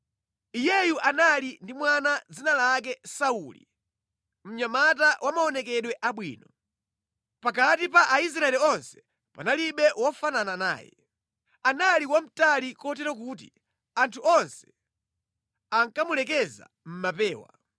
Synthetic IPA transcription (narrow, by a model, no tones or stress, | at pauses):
ijɛjuʔanalindimwanad͡zinalak̬ɛsaulḭ | m̩ɲamatawʔamaɔnɛkɛɗwɛʔaɓwiːnɔ | pakatipaʔais̬ɾaɛliɔnsɛ̥ | pa̰naliɓɛwɔfananana̰ːjɛ̰ | analiwam̩talikɔt̬ɛɾɔk̬ut̬ḭ | antʰuɔnsɛ̥ | aŋkamulɛk̬ɛza̰ | m̩mapɛːwa̰